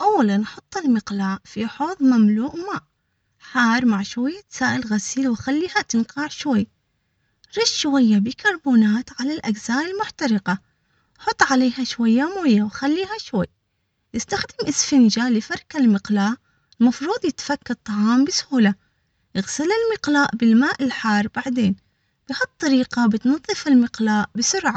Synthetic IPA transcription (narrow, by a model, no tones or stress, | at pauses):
ʔawːalanːħʊt̪ˤːɪlmɪqlaːʔfiħoːðˤmamluːʔmaːʔ | ħaːɾˤmaʕʃwajːat̪saːʔɪlɣasiːlwɪxalːiːhat̪ɪnqɑʕʃwajː | ɾˤɪʃʃwajːabɪkʰɑɾˤbuːnaːt̪ʕalalʔaɡzaːʔɪlmʊħt̪ɑɾɪqɑ | ħʊt̪ˤːʕaleːhaʃwajːamoːjːawxalːiːhaʃwajː | jɪst̪axd̪ɪmʔɪsfɪnd͡ʒalɪfaɾˤkalmɪqlaːʔ | ɪlmɑfɾuːd̪ˤjɪt̪ḁfakːɑt̪ˤːɑʕɑːmbɪshuːla | jɪɣsɪlɪlmɪqlaːʔbɪlmaːʔɪlħɑːrˤb̥aʕd̪eːn | b̥ɪhɑt̪ˤːɑɾiːqabɪt̪nɑðˤːɨfɪlmɪqlaːʔbɪsʊɾʕa